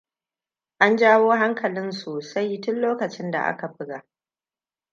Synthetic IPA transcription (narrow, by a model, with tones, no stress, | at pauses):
ʔa˦nd͡ʒaː˦woː˦ɦa˦ŋkɐ˨lɪ˦nsoː˨sa˦jtʊ˦nloː˦kɐ˨t͡ʃɪ˦nda̰˨ʔa̰˦ka˨bɪ˦ɡa˨ʔ